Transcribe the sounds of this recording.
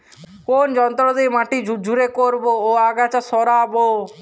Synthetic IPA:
kond͡ʒɔnt̪ɾɔd̪emaʈid͡ʒud͡ʒʱuɾekoɾbooaɡat͡ʃasɔɾabo

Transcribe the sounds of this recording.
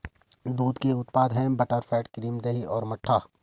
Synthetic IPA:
d̪uːd̪keʊt̪paːd̪ɦɛ̃bɐʈəɾfʰɛːʈkɾiːmd̪eiɔːɾmɐʈʰːaː

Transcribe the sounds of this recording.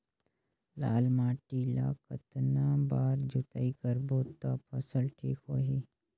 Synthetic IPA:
la̰ːlmaːʈiːla̰ːkə̰t̪nãːbaːɾd͡ʒut̪aikəɾboːt̪apʰəsəlʈʰiːkhoːɦiː

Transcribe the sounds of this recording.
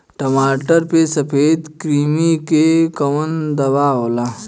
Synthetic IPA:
ʈɐmaːʈəɾpesɐpʰeːd̪kɾiːmikekɐwənd̪ɐʋaɦoːlaː

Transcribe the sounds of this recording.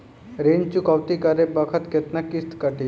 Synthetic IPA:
ɾeːnt͡ʃukaʋt̪ikəɾebəkʰət̪ket̪nakɪst̪kəʈi

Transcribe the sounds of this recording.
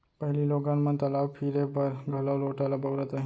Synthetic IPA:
pəɦililoɡãnmənt̪əlaʋpʰiɾebəɾɡʱəloloʈalabəʋɾət̪aɦĩ

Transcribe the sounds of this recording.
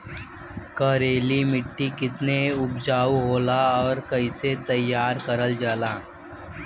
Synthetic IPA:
kɐːɾeːlimɪʈːikɪt̪neʊbd͡ʒaːuɦoːlaɔːɾkɐiset̪ɐjːaːɾkəɾəld͡ʒaːlaː

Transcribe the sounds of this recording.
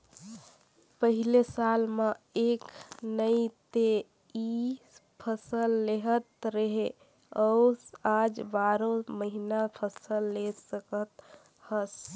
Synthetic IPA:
pəɦilesalmãeknəit̪e | ipʰəsəlːeɦət̪ɾəɦe | əwsad͡ʒbaɾoməɦinapʰəsəlːesəkət̪ | həs

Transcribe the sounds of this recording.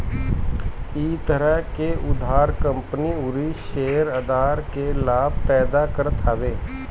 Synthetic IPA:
iːt̪əɾəɦkeʊd̪ʱaːɾkə̃mpəniʊɾiʃeːəɾəd̪aːɾkelaːb̚ʱpɛːd̪akəɾt̪ʰaːʋeː

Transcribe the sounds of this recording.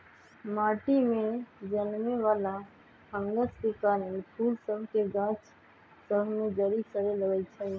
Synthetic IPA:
maʈimẽd͡ʒənmeʋala | hə̃ŋɡəskekanpʰulsəbʱkeɡãt͡ʃ | səbʱmed͡ʒəɾisəɾeləɡət͡ʃʰɛ

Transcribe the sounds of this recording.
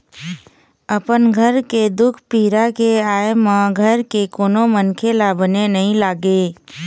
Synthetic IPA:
əpənɡʱəɾked̪ʊkʰpiːɾakeaːemãɡʱəɾkekoːnomənkʰelabənenɐɦĩlaːɡeː

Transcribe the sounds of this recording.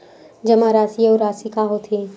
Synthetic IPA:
d͡ʒɐmaɾaːsioɾaːsikaɦot̪ʰi

